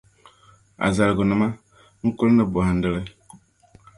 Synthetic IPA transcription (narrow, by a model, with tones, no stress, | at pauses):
a̰˨za˨lɡu˨nɨ˨ma˦ | ŋ̩˦ku˦lnə˦˨bo˨ha˨n̩˦də˦lə˦